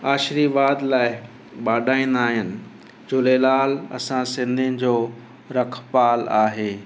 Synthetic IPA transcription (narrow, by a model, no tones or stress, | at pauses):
aːʃɾiʋaːd̪laːɪ | ɓaːɗaːĩːnd̪aːɦɪnɪ̆ | d͡ʑʊleːlaːlɐ̰sãsɪ̃nd̪ʱiənɪ̆d͡ʑoː | ɾɐkʰpaːlaːɦeː